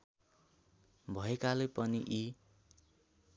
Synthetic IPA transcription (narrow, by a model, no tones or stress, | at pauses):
bʱʌekalepʌniʔi